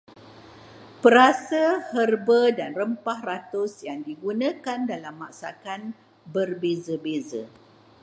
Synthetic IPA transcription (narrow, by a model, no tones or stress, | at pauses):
pəɾasəhərbədanrəmpahrat̪ʊsjaŋdiɡunãkandalamːaksakan | bərbezəbezə̰